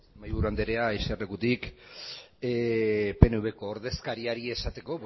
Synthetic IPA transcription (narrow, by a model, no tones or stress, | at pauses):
majβuɾuand̪eɾe̞ajserekut̪ik | pe̞nuβe̞ko̞ːɾðe̞skaɾiaɾie̞sat̪e̞ko̞